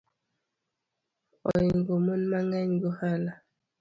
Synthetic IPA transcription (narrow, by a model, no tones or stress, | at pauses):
ɔ̰ŋɡomonmaŋaɲɡohala